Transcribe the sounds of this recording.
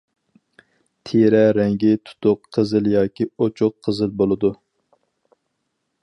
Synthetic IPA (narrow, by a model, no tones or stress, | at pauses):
t̪ʰeɾɛɾɛŋɡʲit̪ʰu̥t̪ʊqʰːəzɨljɑːkʲiot͡ʃʰʊqʰːəzɨlbolˠɨd̪u